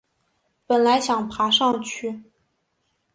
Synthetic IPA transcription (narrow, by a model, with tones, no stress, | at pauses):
pə˨˩nla˧˥ɪɕjɑ˨˩ŋpʰa˧˥ʂɑ˥˧ŋt͡ɕʰy˥˩